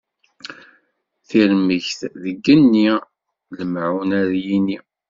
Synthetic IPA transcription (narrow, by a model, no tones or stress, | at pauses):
θiɾməʝθðəɡːənːi | ləmʕunæɾjini